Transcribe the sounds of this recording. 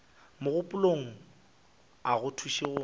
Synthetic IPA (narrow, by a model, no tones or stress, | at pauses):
mʊɣʊpʼʊloŋ̩ | aɣʊtʰuʃeɣʊ